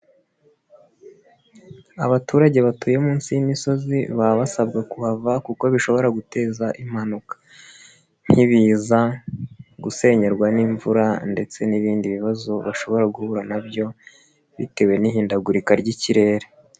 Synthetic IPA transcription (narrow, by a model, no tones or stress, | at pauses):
aβatuːɾaɟe̞βatuːje̞muːnsijimiso̞ziβaβasabɡakuhavakuko̞βiʃo̞βo̞ɾaɡute̞ːzaʔim̥hanukḁ | n̥hiβiːza | ɡuse̞ɲe̞ɾɡwaniɱvuɾande̞t͡se̞niβiːndiβiβazo̞βaʃo̞βo̞ɾaɡuhuɾanabɟo̞ | βḭte̞we̞nihiːndaɡuɾikaɾɟiciɾe̞ːɾe